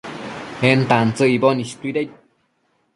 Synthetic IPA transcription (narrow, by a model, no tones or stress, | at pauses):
hent̪ant͡səibonist̪uiɾet̚